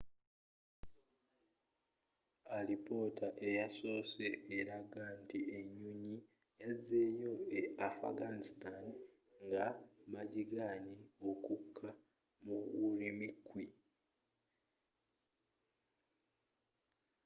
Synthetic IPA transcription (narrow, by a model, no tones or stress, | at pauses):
aɾipo̞ːtaʔe̞jaso̞ːse̞ːɾaɡaːntieɲːuɲi | jaze̞jo̞eafa̰ɡanistan | ŋɡamaɟiɡaːɲio̞kukʰːa | muuɾimikːwi